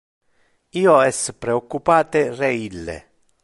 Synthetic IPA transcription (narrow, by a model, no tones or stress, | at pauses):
iːoɛsːpɾeokːupaːt̪erɛilːḛ